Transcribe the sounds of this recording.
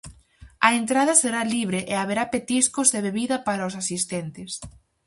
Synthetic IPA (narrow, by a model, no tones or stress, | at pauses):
ɐent̪ɾaðɐseɾaliβ̞ɾeʔeaβeɾapet̪iskʊzðeβeβiðɐpaɾaos̬asist̪ɛnt̪ɪs